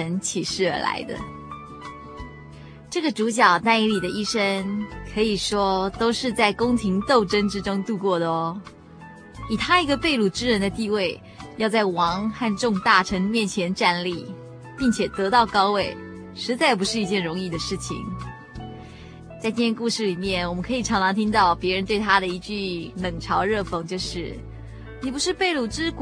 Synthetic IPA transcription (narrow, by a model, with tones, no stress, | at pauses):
ə˧˥nt͡ɕʰi˨˩ʂɻ̩˥˩ə˞˧˥la̰˧˥ɪd̪ə̰˧ | ʈ͡ʂɤ˥˩ɡə˩ʈ͡ʂu˧˥ɕ̬jɑ˨˩ʊna˥˩ni˧˥li˨˩d̪ə˦ʔi˥˩ʂə˥ŋkʰɤ˧˥i˨˩ʂwɔ˥t̪o˥ʊʂɻ̩˥˧t͡sa˥˩ɪkʊ˥ŋt̪ʰi˧˥ŋt̪o˥˩ʊʈ͡ʂə˥nʈ͡ʂɻ̩˥ʈ͡ʂʊ˥ŋt̪u˥˧kwɔ˥˩d̪ə˩ɔ˧˦ | i˨˩t̪ʰa˥i˧˥ɡə˧pe˥˧ɪlu˥˩ʈ͡ʂɻ̩˥ɻə˧˥nd̪ə˧t̪i˥˧we˥˩ɪ | jɑ˥˧ʊt͡sa˥˩ɪwɑ˧˥ŋxa˥˧nʈ͡ʂʊ˥˧ŋt̪a˥˩ʈ͡ʂʰɤ˧˥ŋmjɛ˥˩nt͡ɕʰjɛ˧˥nʈ͡ʂa˥˧nli˥˩ | pi˥˩ŋt͡ɕʰjɛ˨˩t̪ɤ˧˥t̪ɑ˥˩ʊkɑ˥ʊwe˥˩ɪ | ʂɻ̩˧˥t͡sa˥˩ɪpu˧˥ʂɻ̩˥˩i˧˥t͡ɕjɛ˥˩nɻʊ˧˥ŋi˥˩d̪ə˩ʂɻ̩˥˩t͡ɕʰḭ˨˩ŋ | t͡sa˥˧ɪt͡ɕ̪i˥˩jɛ˥˧ŋku˥˧ʂɻ̩˥˩li˨˩mjɛ˥˩nwɔ˨˩mə˦nkʰɤ˧˥i˨˩ʈ͡ʂʰɑ˧˥ŋʈ͡ʂʰɑ˧˥ŋt̪ʰi˥ŋt̪ɑ˥˩ʊpjɛ˧˥ɻə˧˥nt̪we˥˩ɪt̪ʰa˥d̪ə˨i˧˥t͡ɕy˥˩lɤ˨˩ŋʈ͡ʂʰɑ˧˥ʊɻɤ˥˩fɤ˥˧˩ŋt͡ɕjo˥˧ʊʂɻ̩˥˩ | ni˨˩pu˧˥ʂɻ̩˥˧pe˥˩ɪlu˨˩ʈ͡ʂɻ̩˥k